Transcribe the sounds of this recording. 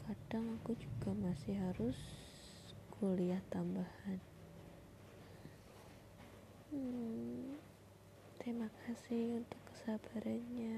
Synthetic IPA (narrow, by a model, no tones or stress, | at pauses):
kʰad̥aŋakud͡ʒuɡamasɪhɦaɾʊs | ɡʰoliaht̪ambahan | t̪ɾemakʰasɪhunt̪ʊkːə̥sabaɾʔanɲa